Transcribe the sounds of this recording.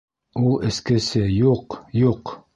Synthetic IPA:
ulˠɘ̆skɘ̆sɘjuqjuq

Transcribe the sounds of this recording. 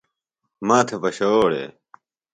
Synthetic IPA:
maːt̪ʰepɐɕɐoːɽḛː

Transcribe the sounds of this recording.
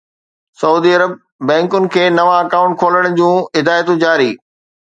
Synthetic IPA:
sɐuːd̪iɐɾəb̚ | bɛ̃ːŋkʊnɪ̆kʰeːnɐʋãɐkãːʊ̃ɳʈ̚kʰoːləɽ̃̆d͡ʑũːɪd̪aːjt̪ũd͡ʑaːɾiː

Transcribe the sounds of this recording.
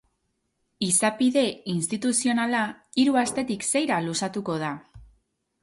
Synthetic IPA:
isapiðe̞inst̪it̪usio̞nalaiɾuast̪e̞t̪ikse̞jɾalusat̪uko̞ð̞a

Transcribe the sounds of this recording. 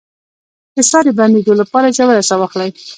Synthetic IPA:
d̪̥əsɑɾeband̪ed̪olapɑɾad͡ʒawaɾasɑwɑxlaj

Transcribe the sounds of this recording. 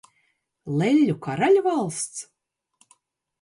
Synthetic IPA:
lˠɛlʲːukaɾalʲvalˠst̪s

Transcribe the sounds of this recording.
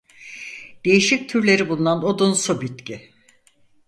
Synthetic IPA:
d̪̥e̞jiʃic̚t̪ʰyɾlʲe̞ɾibulˠunanod̪unsubit̪ci

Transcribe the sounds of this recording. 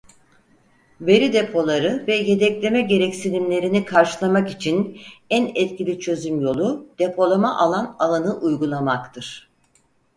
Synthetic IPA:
ve̞ɾid̪e̞pʰo̞lˠaɾɯvɛje̞d̪ɛclʲe̞mɛɟe̞ɾɛcsilʲimlʲe̞ɾinikʰaɾʃɯlˠamakit͡ʃʰinænɛt̪cʰilʲit͡ʃʰø̞zymjo̞lˠud̪̥e̞pʰo̞lˠamaʔalˠanalˠanɯʔujɡulˠamakt̪ʰɯɾ̥

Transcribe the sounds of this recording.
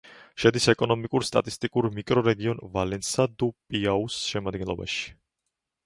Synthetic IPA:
ʃɛd̪isɛkʼɔnɔmikʼuɾst̪ʼa̰t̪ʼist̪ʼikʼuɾmikʼɾɔɾɛɡiɔnvalɛnsad̪upʼiausʃɛmad̪̚ɡɛnlˠɔba̰ʃi̥

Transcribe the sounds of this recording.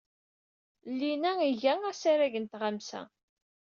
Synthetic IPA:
lːinæʝæŋæsaɾæʝənt̪ʁamsæ̰

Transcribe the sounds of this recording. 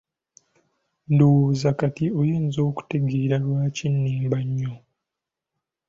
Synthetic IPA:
nduzakatiojeːnzo̞ːku̥te̞ɡeːɾalwaːcinːiːmbaɲːo

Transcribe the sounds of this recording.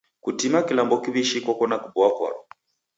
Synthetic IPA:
kutimakilambɔkiβiʃikwɔkɔnakubɔakwa̰ɾɔ

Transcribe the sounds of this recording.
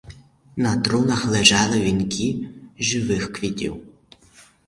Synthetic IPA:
nɐt̪ɾunɐxlˠeʒɑlˠɪʋʲinkʰʲiʒɪʋɪxkʋʲitʲḭw

